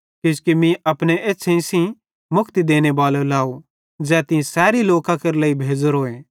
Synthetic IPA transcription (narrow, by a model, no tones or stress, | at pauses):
kĩskimĩʔɐpñeʔeːt͡ʃʰẽĩsĩ | mʊkʰt̪id̪eːñebaːlolaːo | d͡zɛːt̪ɪ̃sɛːɾiloːkãkɐɾləːibʱeːd͡zəɾɦoːeː